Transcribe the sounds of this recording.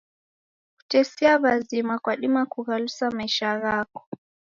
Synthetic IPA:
ku̥tɛsɛaβazimakwaɗimakuɣalusamaiʃaɣakɔ̥

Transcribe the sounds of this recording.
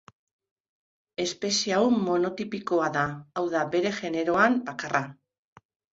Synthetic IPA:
e̞spe̞siawmo̞no̞t̪ipiko̞aðaːwðabe̞ɾe̞ʝe̞ne̞ɾo̞ambakara

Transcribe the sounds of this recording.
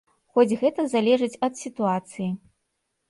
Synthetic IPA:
xɔd͡zʲɣɛt̪ɐzalʲɛʐɨt͡sʲɐt̪sʲit̪uat̪sɨji

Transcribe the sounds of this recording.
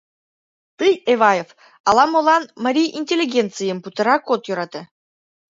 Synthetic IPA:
t̪ɨjeβɑjef | ɑlˠɑmolˠɑnmɑɾʲijinʲtʲelʲːiɡʲent̪t͡sɨjəmput̪ə̆ɾɑkːot̪joɾɑt̪ɤ̆

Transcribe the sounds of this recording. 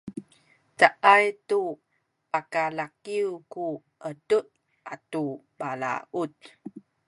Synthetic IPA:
taʔajtu | pakalakiuku | ʔəduʔ | ʔatu | bala̰ut

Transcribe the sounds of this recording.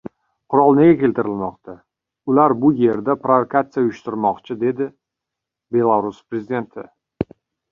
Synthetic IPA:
qʰʊɾɒlˠnɪɡʲakʲe̞lt̪ɪɾɪlmɒqt̪ʰa | ʊlaɾbʊje̞ɾd̪apɾovokat̪sɨjaʊjʊʃt̪ɪɾmɒqt͡ʃʰɪd̪e̞d̪ɪ | be̞lˠaɾʊspɾezɪd̪e̞nt̪ʰɪ

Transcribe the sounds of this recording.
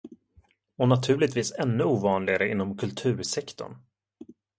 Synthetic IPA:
ɔnat̪ʰʉ̟ːlɪt̪viːsɛnːɵuːvɑːnlɪɡaɾəɪnːɔmkʰɵlt̪ʰʉ̟ːɾʂɛkt̪ɔ̰ɳ

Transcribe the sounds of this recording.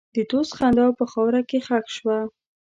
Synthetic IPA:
d̪ət̪osxand̪awpəxɑwɾakexakʃwa

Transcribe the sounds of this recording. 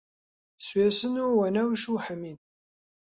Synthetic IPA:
sweːsɨnuwɐnɐwʃuːħəmiːn

